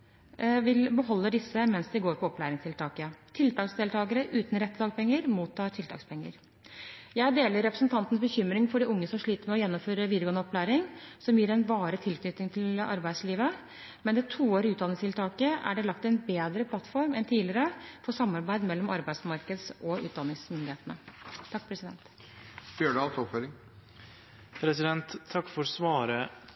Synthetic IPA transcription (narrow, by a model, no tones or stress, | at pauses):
ʋɪlbəɦɔlːəɖɪsːəmɛnsd̪ɪɡoːɾpʰɔɔplæːɾɪŋst̪ʰɪlt̪ʰɑːkət̪ʰɪlt̪ʰɑːksd̪eːlt̪ʰɑːɡəɾəʔʉːt̪nɾɛt̪ːəd̪ɑːɡpʰɛŋːəɾmuːt̪ʰːɑːʈʰɪlt̪ʰɑ̰ːkspʰɛŋːə̰ɾ | jæɪd̪eːləɾːɛpɾəsnt̪ʰɑnt̪n̩əs̬bəçʏmɾɪŋfɔɖiʊŋːəsɔmʂɭiːt̪əɾmɛɔjɛnːɔmføːɾəʋiːd̪əɾɡoːnəɔplæːɾɪŋsɔmjiːɾɛnʋɑːɾət̪ʰɪlkʰnʏt̪nɪŋt̪ʰɪlɑ̰ɾbæɪd̪sliːʋə | mɛnd̪ɛt̪ʰuːoːɾɪʉːt̪d̪ɑnɪŋst̪ʰɪlt̪ʰɑːkəæ̰ɖɛlɑkt̪ɛnbeːd̪ɾəpʰlɑt̪fɔɾmɛnt̪ʰiːlɪɾəfɔʂɑmːɑɾbæɪd̪mɛlːɔmɑɾbæɪd̪smɑɾkəd̪sɔʉ̰ːd̪ɑnɪŋsmʏnd̪ɪheːt̪ənət̪ʰːɑkːpʰɾɛsɪd̪ɛ̰nt̪ | bøːɖɑlt̪ɔpføɾɪŋ | pʰɾɛsɪd̪ɛnt̪ʰːɑkːfɔɾsʋɑːɾə